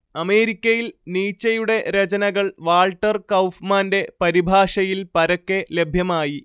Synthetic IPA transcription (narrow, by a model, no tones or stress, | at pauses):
ɐme̞ːɾikʲːɐjilniːt͡ɕːɐjuɽe̞ɾet͡ɕɐnɐɣɐɭʋaːɭʈːɐrkɐwfmaːnde̞pɐɾibʱaːʂɐjilpɐɾɐkːe̞le̞bʱjɐmaːji